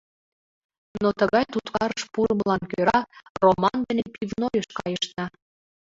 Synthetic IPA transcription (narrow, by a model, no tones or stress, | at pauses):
not̪əɣɑjt̪ut̪kɑɾəʃpuɾəməlɑnkøɾɑromɑnd̪enepivnojəʃkɑjəʃt̪ɑ